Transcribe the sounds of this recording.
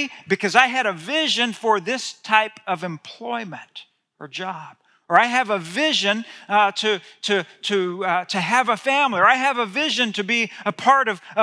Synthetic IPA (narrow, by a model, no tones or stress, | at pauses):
bɨkʰʌzaɪɨɾɨvɪʒɨ̃nfə˞ðɪstʰaɪpʌvɨ̃mpʰl̥ɔɪmɨ̃nt | ə˞d͡ʒɑb̥ | ə˞aɪɨvəvɪʒɨ̃ntʰɨɾɨɾɨtʰɨːvəfæ̃mliə˞aɪɨvəvɪʒɨ̃ntʰɨbiəpʰɑɹɾʌv̥ʌ